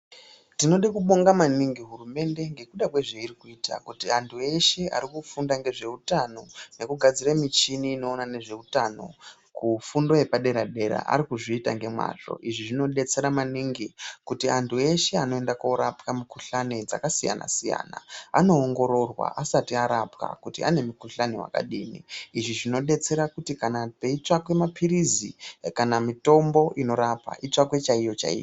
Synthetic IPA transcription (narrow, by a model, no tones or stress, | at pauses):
tino̞ɗekuɓo̞ŋɡamaniŋɡiɦurume̞nde̞ŋɡe̞kuɗakweʐeirikuiːta̰kutiantʰue̞ʃe̞a̰ɾikufundaŋɡe̞ʐe̞utano̞ne̞kuɡʱad͡ziramit͡ʃiniːno̞ːnane̞ʐe̞utano̞̰ | kufundo̞e̞paɗe̞ɾaɗe̞ɾa̰ʔa̰ɾikuʐiːtaŋɡe̞mwa̰ɬo̞̰ʔiʐiʐino̞ɗe̞t͡se̞ɾamaniŋɡikutiantʰue̞ʃe̞ano̞e̞ndakoɾapkamikuɬaned͡za̰kasija̰na̰sija̰ːna̰a̰no̞ːŋɡo̞ɾo̞rwa̰ʔasatiaɾapka̰kutiane̞mukuɬanewa̰ka̰ɗiːnḭːʐiʐino̞ɗe̞t͡se̞ɾakutikanape̞it͡ʃakwe̞mapʰiɾizikanamito̞mbo̞ʔino̞ɾapa̰ʔit͡ʂakwe̞t͡ʃaijo̞t͡ʃa̰ḭːjo